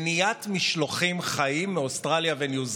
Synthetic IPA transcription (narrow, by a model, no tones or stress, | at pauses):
nijat̪miʃloχimχaimːeost̪ʁaljavenjuz